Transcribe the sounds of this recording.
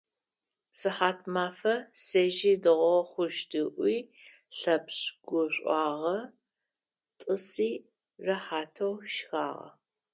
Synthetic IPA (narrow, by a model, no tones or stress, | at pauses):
sɨħaːtʰmaːfɐsɐʒiːdɨʁʷɔχʷʊʃtʰɨʔʷiː | ɬɐpɕɡ̥ʷʊɕʷʼɑːʁɐ | tʼɨsiː | rɐħaːtʰɐwʃxa̰ːʁɐ̰